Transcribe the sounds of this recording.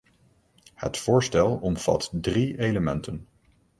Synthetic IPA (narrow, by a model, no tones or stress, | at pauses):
hə̰tfʊːɹstɛlˠɔmv̥ɑ̰tdriejləmɛntən